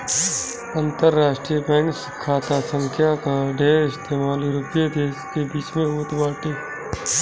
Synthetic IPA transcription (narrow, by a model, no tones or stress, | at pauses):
ə̃nt̪əɾːaːʃʈɾijəbɛ̃ːŋks | kʰaːt̪asə̃ŋkʰjakaɖʱeːɪst̪eːmaːlɾʊpjed̪eːskebiːt͡ʃmẽoːt̪baːʈeː